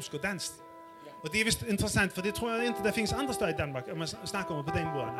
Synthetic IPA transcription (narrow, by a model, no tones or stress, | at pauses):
skɔd̪ɛnst̪ | ɔd̪ɛæʋɪst̪ɪnt̪əʁəsant̪fɔd̪ɛt̪ʰʁuːjaɪnt̪əd̪ɛfɪnːəsand̪ʁəst̪ɑːid̪ɛnmɑkamɛsnakːəɔmpʰɔd̪ɛnboːn